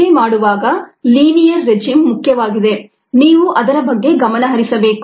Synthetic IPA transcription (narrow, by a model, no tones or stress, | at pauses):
emaːɽuʋaːɡɐliːnijɐɾːe̞d͡ʒiːmːukʰjɐʋaːɡid̪e̞ | niːʋuʔɐd̪ɐɾɐbɐɡːe̞ɡɐmɐnɐɦɐɾisɐbe̞ːku̥